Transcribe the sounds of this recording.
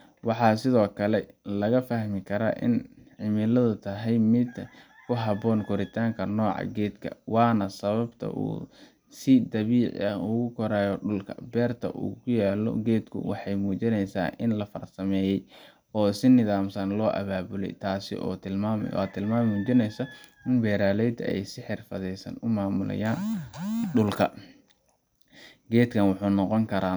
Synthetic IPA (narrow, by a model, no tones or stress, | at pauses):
wɑħɑːsɪðɔːkʰɐlɛlɐɣɐfɐhmɪkʰɐɾa̰ːʔɪ̰nħɪmɪlɐðʊt̪ʰɐɦɛjmɪd̪ | kʰʊɦɑβɔːnkʰɔɾɪt̪ʰaːŋkʰɐnɔːʕɑ̰ɡɛːd̪kʰɐ̰wɑːnɐsɐβɐbt̪ʰɐ̰ʔṵː | sɪd̪ɐβiːʕ̰ɐʊɣʊkʰɔɾaːjɔɖʊlkʰɐ̰bɛːrt̪ʰɐ̰ʔṵːkʰʊjaːlɔ̰ɡɛːd̪kʰʊ̰wɑ̰ħɑjmuːt͡ʃɪnɛjsa̰ːʔɪnlɐfɐ̰rsɐmɛːjɛj | ɔːsɪnɪðaːmsɐnlɔːʔɐ̰βaːbʊlɛ̰jt̪ʰaːsɪ̰ʔɔ̰ːt̪ʰɪlmaːmɛ̰ja̰ːt̪ʰɪlmaːmuːt͡ʃɪnɛjsɐɪnbɛːɾaːlɛjd̪ɐ̰ɛ̰jsɪħɪrfɐðɛjsɐ̰nʊmaːmʊlɐ̰jaːnɖʊlkʰɐ | ɡɛːd̪kʰɐnwʊħuːnɔqɔŋkʰɐɾaːn